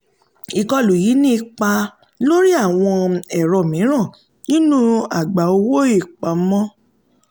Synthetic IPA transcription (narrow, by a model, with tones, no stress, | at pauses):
i˨kɔ˧lu˨ji˨˦nĩ˦i˧k͡pa˧ | lo˦ɾi˦a˦˨w̃ɔ̃˧ɛ˦˨ɾɔ˨mĩ˨˦ɾ̃ã˦˨ | nĩ˦nũ˦a˨ɡ͡ba˨o˧wo˦i˦˨k͡pa˨˦mɔ̃˦